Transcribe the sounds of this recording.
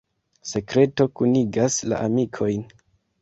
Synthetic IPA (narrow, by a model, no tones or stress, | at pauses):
se̞kɾe̞to̞kuniɡasla̰ʔamikʰo̞jn